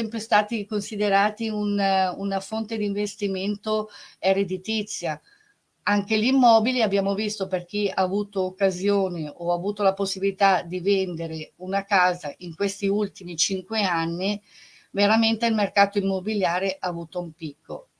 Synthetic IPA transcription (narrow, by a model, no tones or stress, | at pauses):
ɛmpɾest̪aːt̪ikonsid̪eɾaːt̪iununafont̪ed̪iɱvest̪iment̪oeɾed̪it̪it̪sːja | aŋkelimːɔːbiliabːjaːmovist̪operk̟ia̰ːvuːt̪oːkːazjoːneʔoaːvuːt̪olaposːibilit̪ad̪ivend̪eɾeunakaːzaʔiŋkwest̪iult̪imit͡ʃiŋkweanːi | veɾament̪eilmerkaːt̪oimːobiljaːɾeʔaːvuːt̪oumpikːo̰